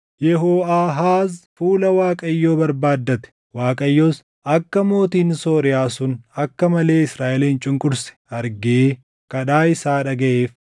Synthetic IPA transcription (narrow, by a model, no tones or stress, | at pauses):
jɛɦoːaːɦaːzfuːlɐwaːkʼɐjːo̞ːbɐɾbaːd̪ːɐt̪ɛ̥ | waːkʼɐjːo̞ːs | ʔɐkːɐmo̞ːt̪iːnsoːɾɪjaːsʊnɐkːɐmɐle̞ːɪsɾaːʔɛliːɪnt͡ʃʼʊŋkʼʊɾsɛ̥ɐɾɡe | kɐᶑaːɪsaːᶑɐɡɐʔeːf